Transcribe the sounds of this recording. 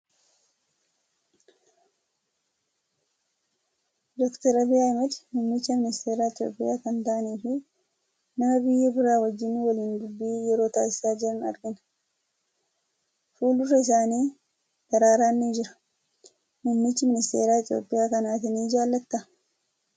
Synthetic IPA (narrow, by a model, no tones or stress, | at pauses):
d̪ɔkt̪ɐɾɐbɪaːɪmɛd̪mʊːmːɪt͡ʃːɐmɪnɪst̪ʰe̞ːɾaːɪt̪jo̰ːpʼɪ̰jaːkɐnt̪aʔɐniːfɪ | nɐmɐbɪjːɐbɪɾaːwɐd͡ʒːɪnːɪwɐliːnd̪ʊbːiːjɛɾo̞ːt̪a̰ːsɪ̥saːd͡ʒɪɾɐnɐ̰ɾɡɪn | fuːlʊrɐɪs̬aːniː | d̪̥ɐɾaːɾaːnːiːd͡ʒɪɾɐ̥ | mʊmːɪt͡ʃːɪmɪnɪst̪e̞ːɾaːɪt̪jo̞̰ːpʼːɪjaːkɐnaːt̪ɪniːɪd͡ʒaːlːɐt̪ːɐ